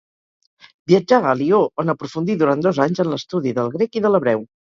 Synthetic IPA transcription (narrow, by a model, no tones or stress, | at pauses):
biəd͡ʒaəlioənəpɾufund̪iðuɾand̪ozaɲzənləst̪uðiðəlˠɣɾekiðələβɾɛw